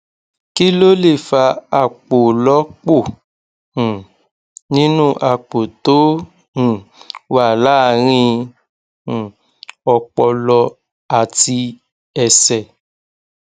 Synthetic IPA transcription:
ki˦lo˦le˦˨fa˧a˧˨k͡po˨lɔ˨˦k͡põ˦˨ | nĩ˦nũ˦ʔa˧˨k͡po˨tõ˨˦˨ | wa˦˨la˨˦˨ɾ̃ĩ˧˨ | ɔ˧k͡pɔ˧lɔ˧ | a˨ti˧ | ɛ˧sɛ˨

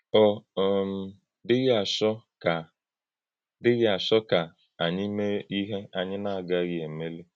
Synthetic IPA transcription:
ɔ˨˦˨m̩˨ | dɪ˦ɣɪ˦a˨ʃɔ˦ka˨ | dɪ˦ɣɪ˦a˨ʃɔ˦ka˨ | a˨ɲɪ˦me˦i˦ɦe˦a˨ɲɪ˦na˦a˨ɡa˦ɣɪ˨e˨me˦le˦

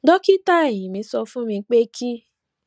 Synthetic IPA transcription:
dɔ˦ki˦ta˦e˦˨jĩ˨mĩ˧˦sɔ˧fũ˦mĩ˧˦k͡pe˦kʰi˦

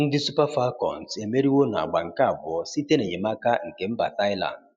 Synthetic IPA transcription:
n̩˦di˦su˦pa˦fa˦kɔ̰̃˨n˨te˨me˦ɾi˦wo˦na̰˨ɡ͡ba˨ŋ̩˨ka˦˨bɔ˨si˦te˦ne˨ɲe˨ma˦ka˦ŋ̩˨ke˨m̩˦ba˨ta˦i˦la̰˨nd̚

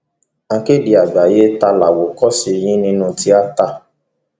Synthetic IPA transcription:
ã˧ke˦di˨a˨ɡ͡ba˨je˦ta˧la˨wo˨kɔ˦si˧j̃ĩ˦nĩ˦nũ˧ti˦a˦ta˦˨

